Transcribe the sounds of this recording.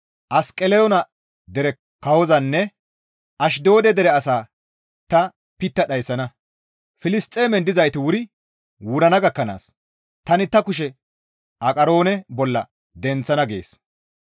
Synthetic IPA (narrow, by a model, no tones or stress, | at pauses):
ʔɐskʼɛlɛjɔnɐ | d̪ɛɾɛ | kɐwɔzɐnːɛ | ʔɐʃ̬d̪o̞ːd̪ɛd̪ɛɾɛɐsaː | t̪ɐ | pɪt̪ːɐɗɐjsːɐnɐ | fɪlɪst̪ʼːeːmɛnd̪ɪzɐjt̪ɪwʊɾɪ | wʊɾɐnɐɡɐkːɐna̰ːs | t̪ɐnɪt̪ɐkʊʃ̬ɛ | ʔɐkʼɐɾo̞ːnɛbɔlːɐ̰ | d̪ɛnt͡sːɐnɐɡe̞̰ːs